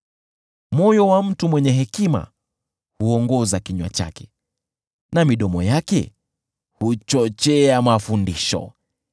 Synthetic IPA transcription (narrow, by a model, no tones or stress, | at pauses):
mɔjɔwam̩tumwɛɲɛɦɛkima̰ | huɔŋɡɔzakiɲwa̰t͡ʃa̰kɛ̥ | namiɗɔmɔjakɛ̰ | hut͡ʃɔt͡ʃɛamafundiʃɔ̰